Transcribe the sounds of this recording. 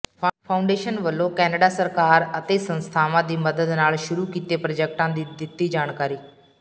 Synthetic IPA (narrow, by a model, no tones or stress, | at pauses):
pʰaːʊ̃ɳɖeːʃənʋəlːokɛːnəɖasəɾkaːɾət̪esə̃nst̪ʰaːʋãd̪iːməd̪əd̪naːɭʃʊɾukit̪epɾəd͡ʒek̚ʈãd̪iːd̪ɪt̪ːiːd͡ʒaːɽ̃kaːɾiː